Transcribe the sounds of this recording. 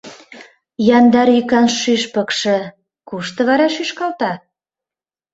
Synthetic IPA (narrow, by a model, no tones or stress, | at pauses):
jɑnd̪ɑɾykɑnʃyʃpɤ̆kʃɤ̆ | kuʃt̪ɤ̆βɑɾɑʃyʃkɑlt̪ɑ